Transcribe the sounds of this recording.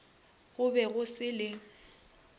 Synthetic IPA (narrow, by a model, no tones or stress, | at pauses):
ɣʊbɛɣʊsɪlɪ